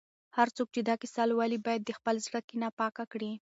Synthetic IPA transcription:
haɾt͡sok̚t͡ʃed̪ɑkɪsɑlwɑlibɑjad̪ːəxpəlzɽəkinɑpɑkakɽi

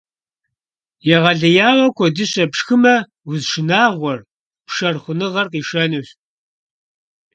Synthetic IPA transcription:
jɛʁɐɮɐjaːwɐkʷʰɔdɨɕɐpʂxɨmɐ | ʊzʃɪnaːʁʷɔr | pʂɐrχʷʊnɨʁɐrqiːʃɐnɨɕ

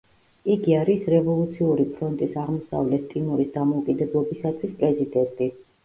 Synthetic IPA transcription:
iɡiaɾisɾɛvɔlˠut̪sʰiuɾipʰɾɔnt̪ʼisaʁmɔsa̰vlɛt̪̚ʰt̪ʼimɔɾisd̪amɔukʼid̪ɛblˠɔbisat̪ʰwispʼɾɛzid̪ɛnt̪ʼi

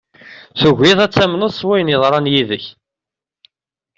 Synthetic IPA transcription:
θʊʝʷiðˤæt͡sːæmnəðˤswæjnjəðˤɾˤɑnjiðəç

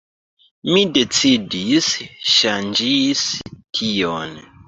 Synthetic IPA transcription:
midet͡sidisʃand͡ʒistʰijon

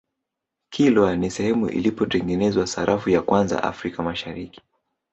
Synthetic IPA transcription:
kʰilwanisɛhɛmṵʔḭlipɔtɛŋɡɛnɛzwasaɾʔafujakwanza̰ʔa̰fɾikamaʃaɾiki̥

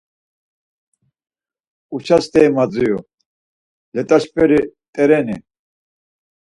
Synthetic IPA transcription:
ut͡ʃʰast̪ʰɛːmad͡zijṵ | lɛt̪ʼaʃpʰɛɾit̪ʼɛɾɛnḭ

